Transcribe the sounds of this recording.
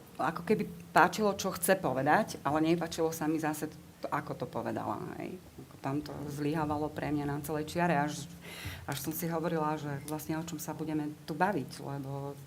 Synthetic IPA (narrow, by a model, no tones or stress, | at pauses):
akɔkɛbipaːt͡ʃilɔt͡ʃɔxt͡sɛpɔʋɛd̪acalɛɲɛpaːt͡ʃilɔsamizasɛ | t̪ɔʔakɔt̪ɔpɔʋɛd̪a̰la̰ɦɛ̰j | akɔ̥t̪amt̪ɔ̰zliɦaʋalɔpɾɛmɲanat͡sɛlɛjt͡ʃɪaɾɛaʃʔaʃsɔmsiɦɔʋɔɾilaʒɛʋlasɲɛɔt͡ʃɔmsabuɟɛmɛt̪ubaʋiclɛ̰bɔ